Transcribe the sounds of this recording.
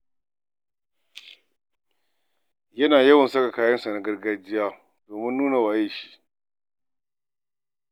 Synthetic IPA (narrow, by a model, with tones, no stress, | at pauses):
jɐ˦naː˨jɐ˦wɐ˨nsɐ˦ka˨kaː˦jɐ˦nsa˨na˦ɡɐ˦rɡa˦d͡ʒɪ˦jaː˦ | doː˨mɪ˦nːuː˦na˨waː˨je˦ʃi̥˦ʔ